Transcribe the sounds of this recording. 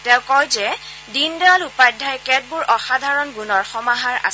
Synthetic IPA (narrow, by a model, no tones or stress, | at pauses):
tɛʊ̃kɔjzɛ | dindɛalupajdʱajkɛd̚buɹʔɔxadʱaɹɔnɡunɔɹxɔmaɦaɹa̰s